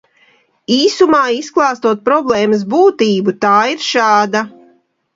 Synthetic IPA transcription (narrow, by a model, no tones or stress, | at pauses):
iːsumaːisklˠaːst̪uɔt̪̚pɾɔblˠɛːmɐs̬buːt̪iːbut̪aːiɾʃaːd̪a